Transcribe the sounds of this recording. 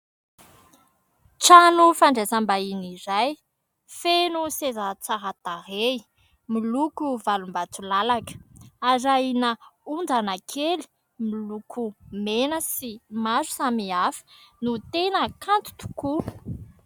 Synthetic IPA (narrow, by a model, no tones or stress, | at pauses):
ʈ͡ʂanufaɳɖ͡ʐesambainiɾaj | fenusezat͡saɦat̪aɾei | milukuvalumbat͡sulalakə̥aɾainəund͡zanakʰeli̥ | milukʰumenəsimazu̥samiafi̥nut̪enəkant̪u̥t̪u̥ku